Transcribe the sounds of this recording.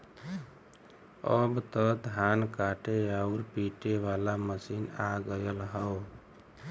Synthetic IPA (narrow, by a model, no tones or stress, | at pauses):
ə̰bt̪əd̪ʱankaʈeauɾpiʈeʋalaməsinaɡəjəlɦəw